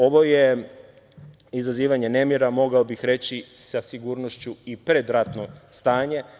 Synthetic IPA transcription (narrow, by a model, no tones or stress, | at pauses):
o̞ʋo̞je | izaziːʋaɲe̞ne̞mjeɾamo̞ɡaobixɾe̞t͡ɕisasiɡuːɾnoʃt͡ɕuipɾed̪ɾat̪no̞st̪aːɲe̞